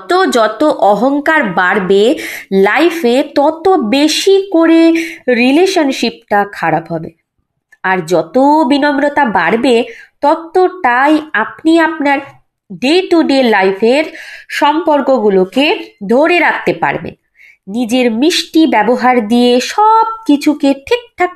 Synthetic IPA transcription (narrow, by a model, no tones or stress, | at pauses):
t̪od͡ʑɔt̪oʔɔɦoŋkaɾbaɾbelajfʰet̪ɔt̪obeʃikoɾeɾileʃonʃip̚ʈakʰaɾabɦɔbḛ | aɾd͡ʑɔt̪obinomɾot̪abaɾbet̪ɔt̪ːoʈajapniap̚naɾ | ɖeʈuɖelajfʰeɾʃɔmpoɾkoɡuloked̪ʱoɾeɾak̚t̪epa̰ɾbḛn | nid͡ʑeɾmɾiʃʈibɛboɦaɾd̪ieʃɔb̚kit͡ɕʰukeʈʰek̚ʈ̪ʰa